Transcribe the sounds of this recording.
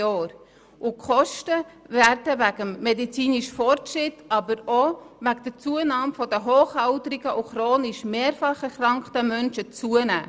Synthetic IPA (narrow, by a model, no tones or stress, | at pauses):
ɔːɾ | ʔʊkʰχɔʃtəvæɾdəvæɡ̥əmːɛdit͡siːniʃfɔɾtʃrɪtʰɑbəɾovæɡ̚d̥ət͡suənɑːmfɔdəɦoːχhaʊtəɾɪɡ̥əʔuχɾoːnɪʃmeːɾfɑχɛɾχrɾɑŋktəmœnʃət͡suənæ̰ː